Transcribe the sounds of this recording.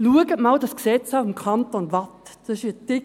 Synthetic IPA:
luəɡətmɑld̥ɑsksɛt͡safɪmkʰɑntonvatd̥ɑsɪʃidɪ

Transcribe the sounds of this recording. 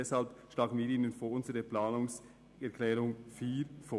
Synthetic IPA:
ɛshalpʃlaːɡn̩viːɾiːnənfoːʊnzəʁəplaːnʊŋs | ɛɐkʰlɛːʁʊŋfiːfoː

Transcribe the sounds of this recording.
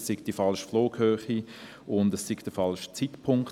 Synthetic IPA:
ssɪɡ̥d̥ifɑlʃfloːkhøːχi | ʊndɛsːɪɡ̥d̥əfɑlʃt͡sitpʰʊŋk

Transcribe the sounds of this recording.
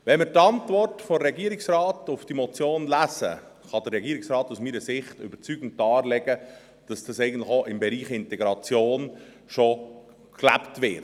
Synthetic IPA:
ʋɛnmɪɾtɑntvɔrtfoɾɛɡiəɾɪksrɑːtʊfd̥imɔt͡sjoːnlæsə̰ | χɑd̥əɾɛɡiːɾɪksɾɑːtusmiːɾəsɪχtʏ̰b̥əɾt͡syːɡ̥n̩tːɑːɾlɛɡ̥ə | d̥ɑsd̥ɑsɛɪɡən̩tlɪxoʔɪmbɛɾiːχɪntɛɡɾɑt͡sjoːn | ʃo | klæ̰ptʋɪː

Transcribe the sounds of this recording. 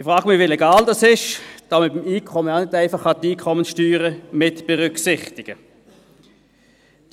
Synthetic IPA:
ɪfʁaːɡmɪʋilɛɡaːldɑsɪʃd̥aməbɪmiːkʰɔməanɪdæɪfɑχɑtiːkʰɔmənsʃtyːʁəmɪtb̥ɛʁʏksɪχtɪɡ̥ə

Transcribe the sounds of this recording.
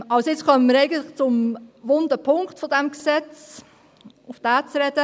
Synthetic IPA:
ɑlsjɪt͡skʰœməməɾeɪɡəntlɪχt͡sʊmvʊndəpʰʊŋktfodɛmksɛt͡s | ʊfd̥æːt͡sɾɛd̥ə

